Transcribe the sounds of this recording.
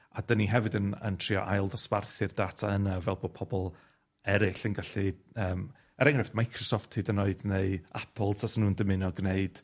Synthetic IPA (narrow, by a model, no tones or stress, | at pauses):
adəniɦɛvɨdənə̰ntʰr̥iɔ̰ʔajlˠdɔsparθɨrdaːtʰaənavɛlˠboːd̚pʰɔbɔlˠ | ɛɾɪɬənɡaɬiəːm | ɛɾɛŋrɪftmajkʰrɔsɔfthiːdənoɨdneɨapʰəlˠtʰasnːuːndəmɪnɔɡneɨd̥